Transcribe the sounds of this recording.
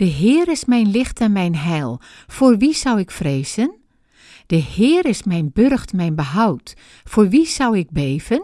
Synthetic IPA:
d̥əɦɪːɾɪsmɛjnlɪxtɛnmɛjnɦɛjlˠ | foːrʋisawɪkfreːz̥ən | d̥əhɪːɾɪsmɛjnbørxtmɛjnbəɦawt | foːʋisawɪɡ̚beːv̥ən

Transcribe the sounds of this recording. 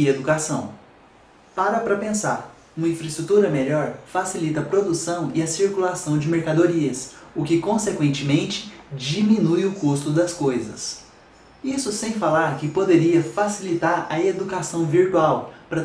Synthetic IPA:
ɪed̪ukasɐ̰̃w̃ | paɾɐpɾɐpẽsaɾ | ũmɐĩfɾɐɪst̪ɾut̪uɾɐmeʎɔɾfasilit̪ɐːpɾod̪usɐ̃w̃ɪɐsiɾkulasɐ̃w̃d͡ʒɪmeɾkad̪oɾiɐsʊkɪkõsekwẽnt͡ʃɪmẽnt͡ʃɪ̥d͡ʒiminujʊkust̪ʊd̪ɐskojzɐ̰s | isʊsẽj̃falaɾkɪpod̪eɾiɐfasilit̪aɾɐ̰ed̪ukasɐ̃w̃viɾt̪uawpɾɐ

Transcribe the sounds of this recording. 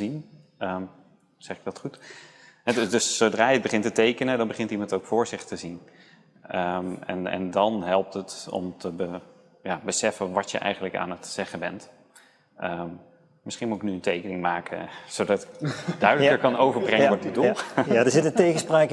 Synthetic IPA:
zin | əm | z̥ɛχɪɡ̚dɑtχut | ɦɛddɵsːowdraːəd̚bəχɪntətejkənədɑnbəχɪntimɑntowkfʊːɹzɪχtəzin | əmɛ̰nɛ̰ndɑnɦɛlˠp̚tətɔ̰mtʰəbə | jaːbəsɛfənʋɑtjə̰ʔɛ̰jχənləka̰ːnətz̥ɛχəbɛ̰nt | ʔəm | mɪsχinmuɪknyəntejkənɪŋmaːkə̰zowdɑtɪ̥kdœɥdələkəɹkɑnowvəɹbrɪŋəŋʋɔɹtədullˠadəzɪtətejɣəspraːk

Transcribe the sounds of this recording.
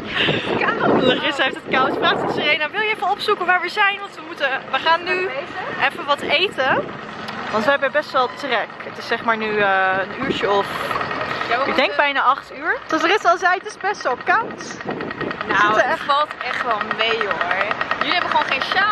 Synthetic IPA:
karɪseftətkawspraːtəsərejənaʋɪlˠjəɛfənɔpsukəʋaːɹʋəzɛjnʋɑntʋəmutəʋəχaːnːyʔɛfəʋɑtejtə | ʋɑntʋəɦɛbəbɛstʋɛlˠtrɛkətɪsːɛχmaːɹnyənyːɹt͡ʃəɔf | jaɪɡ̚dɛŋɡ̚bɛjnaːʔɑχtyːɹtɔsərɪsɔlˠzɛjətɪsbɛstɛlˠkaws | nofɑlˠtɛχʋɛlˠmejoɹjɵliɦɛbəχəʋownχejnʃa

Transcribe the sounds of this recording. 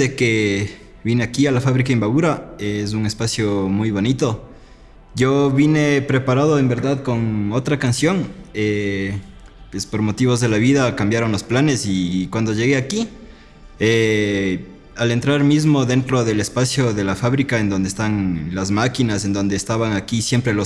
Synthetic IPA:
eke | βineakialafaβɾikaembaβuɾaes̬uŋe̞spasjomujβo̞nit̪o̞ | ɟ͡ʝo̞βine̞pɾe̞paɾaðoembe̞ɾðaðko̞ŋo̞t̪ɾakansjo̞ŋe | pwespo̞ɾmo̞t̪iβo̞zðe̞laβiðakambjaɾo̞nlo̞splane̞sikwand̪o̞ʝe̞ɣe̞aki | e | ale̞nt̪ɾaɾmizmo̞ðe̞nt̪ɾo̞ðe̞lespasjo̞ðe̞lafaβɾikae̞nd̪o̞nd̪eːst̪aŋlazmakinase̞nd̪o̞nd̪eːst̪aβaŋakisje̞mpɾe̞lo

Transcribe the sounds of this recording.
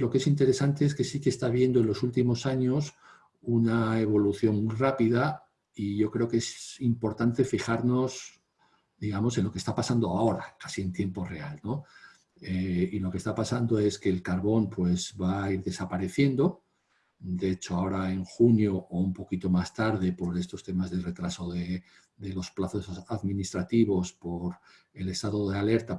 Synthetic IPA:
lo̞kee̞sint̪e̞ɾe̞sant̪e̞eske̞sikeːst̪aβ̞je̞nd̪oe̞nlo̞sult̪imo̞saɲo̞s | unaeβ̞o̞luθjo̞ŋmujrapið̞a | iʝo̞kɾe̞oke̞simpo̞ɾt̪ant̪e̞fixaɾno̞s | d̪iɣ̞amo̞se̞nlo̞ke̞st̪apasand̪o̞ao̞ɾakasie̞nt̪je̞mpo̞re̞alno̞ | eilo̞kest̪apasand̪o̞e̞ske̞ːlkaɾβo̞npwe̞zβaiɾðe̞sapaɾe̞θje̞nd̪o̞ | d̪eet͡ʃo̞ao̞ɾae̞ŋxunjoʔːumpo̞kit̪o̞mast̪aɾð̞e̞po̞ɾe̞st̪o̞st̪e̞mazðe̞re̞t̪ɾaso̞ðe | d̪e̞lo̞splaθo̞saðmĩnist̪ɾat̪iβo̞spo̞ɾ | e̞le̞st̪aðo̞ðeale̞ɾt̪a

